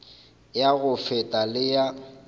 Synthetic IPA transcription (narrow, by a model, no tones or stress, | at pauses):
jaɣʊfɛtʼalɪja